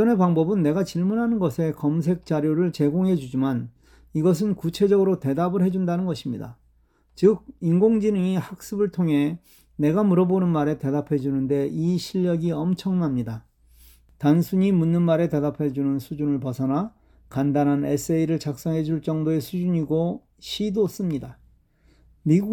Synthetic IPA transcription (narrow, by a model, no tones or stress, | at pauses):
ʌne̞paŋbʌbɯnːe̞ɡat͡ɕiɭmunɦanɯnɡʌsʰe̞kʌms̬ʰe̞k̚t͡ɕ͈aɾjoɾɯɭt͡ɕe̞ɡoŋɦe̞d͡ʑud͡ʑiman | iɡʌs̬ʰɯnkut͡ɕʰe̞d͡ʑʌɡɯɾote̞dabɯɭɦe̞d͡ʑundanɯnɡʌɕʰimɲida̰ | t͡ɕɯk̚inɡoŋd͡ʑinɯŋihak̚s͈ɯbɯɭtʰoŋɦe̞ | ne̞ɡamuɾʌbonɯnmaɾe̞te̞dapʰe̞d͡ʑunɯnde̞iɕʰiʎːʌɡiʌmt͡ɕʰʌŋnamɲida | tansʰuɲimunːɯnmaɾe̞te̞dapʰe̞d͡ʑunɯnsʰud͡ʑunɯɭp̬ʌsʰʌna | kandanɦanes͈ʰeiɾɯɭt͡ɕak̚s͈ʌŋɦe̞d͡ʑuɭt͡ɕ͈ʌŋdoe̞sʰud͡ʑuɲiɡo | ɕʰidos͈ɯmɲida | miɡu